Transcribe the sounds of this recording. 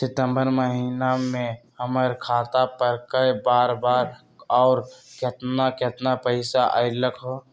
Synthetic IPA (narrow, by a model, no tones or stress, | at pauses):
sɪt̪əmbəɾməɦinamẽhəməɾkʰaːt̪apəɾkəjbaːɾbaːɾ | ɔːɾket̪naket̪napəɪsaʔa̰jləkʰɦo